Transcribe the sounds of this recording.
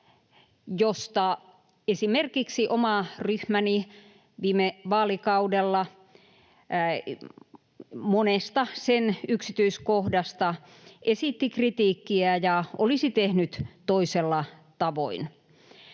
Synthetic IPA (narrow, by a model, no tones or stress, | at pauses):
jost̪ɑ | esimerkiksiʔomɑryhmæni | ʋiːmeʋɑːlikɑudelːɑ | monest̪ɑsenyksit̪yiskohdɑst̪ɑ | esit̪ːikrit̪iːkːiæjɑʔolisit̪ehnyt̪t̪oiselːɑt̪ɑʋo̰in